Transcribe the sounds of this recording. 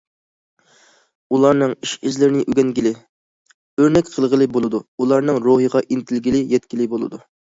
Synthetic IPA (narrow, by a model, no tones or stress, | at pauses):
ulˠɑɾnɨŋiʃizlɪɾɪnɪʔyɡʲɛnɡʲilɪ | øɾnɛkʲqʰəlˠʁəlˠɨbolˠɨd̪uulˠɑɾnɨŋɾoɦəʁɑʔint̪ʰɪlɡʲilɪjɛt̪kʲilɪbolˠɨ̰d̪u